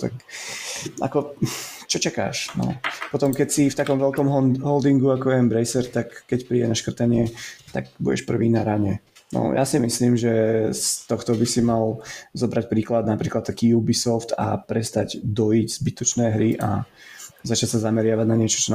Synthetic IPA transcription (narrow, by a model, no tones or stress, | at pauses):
t̪a̰k | a̰kɔt͡ʃɔt͡ʃaka̰ːʃnɔ̰pɔt̪ɔmkɛcsift̪akɔmʋɛlkɔmɦɔld̪iŋɡuakɔʋɛmbɾɛjsɛɾt̪akːɛcpɾiːɟɛnaʃkr̩t̪aɲɪɛt̪a̰ɡbṵɟɛ̰ʃpr̩ʋiːnaɾaɲɛnɔ̰ja̰simisliːmʒɛst̪ɔxt̪ɔbisimalzɔbɾac̚pɾiːklad̪̚napɾiːklat̪ːakiːjubisɔft̪a̰pɾɛst̪aɟd̪ɔjiɟz̥bit̪ɔt͡ʃnɛːɦɾiʔa̰ | zat͡ʃacʲsazamɛɾɪaʋaɟnaɲɪɛt͡ʃɔ̥t͡ʃɔn